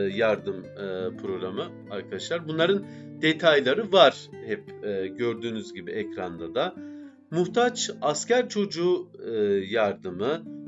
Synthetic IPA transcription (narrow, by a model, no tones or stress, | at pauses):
jaɾd̪ɯmːpʰɾo̞ɡɾamɯ | aɾkʰad̪aʃlˠaɾbunlˠaɾɯn | d̪̥et̪ʰajlˠaɾɯvaɾ̥ | hɛpːɟø̞ɾd̪yːnyzɟibiɛcɾand̪ad̪a | muht̪ʰat͡ʃascʰæɾt͡ʃʰo̞d͡ʒuː | jaɾd̪ɯmɯ